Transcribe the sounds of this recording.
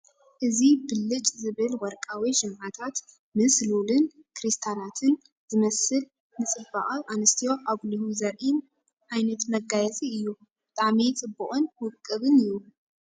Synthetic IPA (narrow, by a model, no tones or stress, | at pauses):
ʔɨzibɨlːɨt͡ʃʼzɨβɨlwɔɾkʼawiʃɨmʕat̪ʰat̪ | mɨslulɨn | kʰɾist̪ʰanat̪ʰɨn | zɨmɐsɨl | nɨsʼɨbaʔʼawʔanɨst̪ʰijo̞ʔaβlɨhuzɐɾʔin | ʕajnɐt̪mɐɡajɛsiɨjːu | b̥ɨt̪ʼaʕmit͡sʼɨbːuχʼunwʊkʼːɨβɨnɨjːu